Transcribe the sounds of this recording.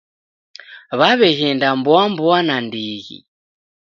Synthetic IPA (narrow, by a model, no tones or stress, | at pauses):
βaβɛɣɛndambwambuanandiɣḭ